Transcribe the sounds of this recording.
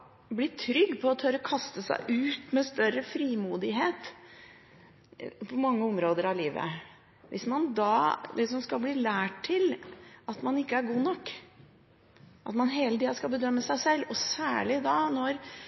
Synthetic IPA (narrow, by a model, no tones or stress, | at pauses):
blɪʈʰɾʏɡːpʰɔɔt̪ʰøɾəkʰɑst̪əsæ̰ɪʔʉːt̪mɛst̪œɾəfɾiːmuːd̪ɪɦeːt̪ | pʰɔmɑŋːəɔmɾoːd̪əɾɑʋliːʋə̰ | ʋʔɪsmɑnd̪ɑːlɪsɔmskɑlbliːlæːʈʰːɪlɑt̪mɑnɪkːəæɾɡuːnɔkː | ʔɑt̪mɑnɦeːlət̪iːɑskɑlbəd̪œmːəsæɪsɛlːɔsæːɭɪd̪ɑnɔɾ